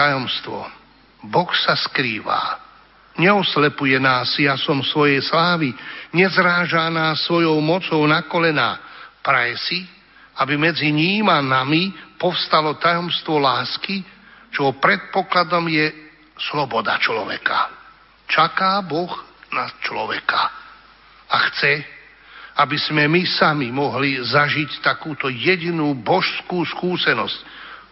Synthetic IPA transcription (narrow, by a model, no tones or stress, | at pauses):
ajɔmst̪ʋɔ̰ | bɔxsaskɾiːʋa̰ː | ɲɛɔslɛpujɛnaːsːijasɔmsʋɔjɛjslaːʋiɲɛzɾaːʒaːnaːsːʋɔjɔʊmɔt͡sɔʊnakɔlɛna̰ːpɾajɛsi | abimɛd͡ziɲiːmanamipɔfst̪alɔt̪ajɔmst̪ʋɔlaːskit͡ʃɔɦɔpɾɛt̪̚pɔklad̪ɔmjɛ | slɔbɔd̪a̰t͡ʃlɔ̰ʋɛ̰ka | t͡ʃakaːbɔɣnast͡ʃlɔʋɛka | axt͡sɛ | abiz̥mɛmisamimɔɦlizaʒict̪akuːt̪ɔjɛɟinuːbɔʃskuːskuːsɛnɔsc